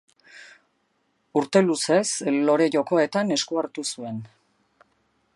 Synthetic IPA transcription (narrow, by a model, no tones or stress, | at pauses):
uɾt̪e̞luse̞slo̞ɾe̞ʝo̞ko̞e̞t̪ane̞skuaɾt̪usue̞n